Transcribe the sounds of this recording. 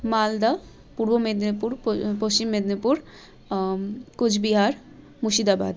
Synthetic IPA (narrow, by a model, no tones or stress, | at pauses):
mald̪a | puɾbomed̪nepuɾpost͡ɕimːed̪nepuɾ | kud͡ʑʰbiɦaɾ | muʃid̪aba̰d̪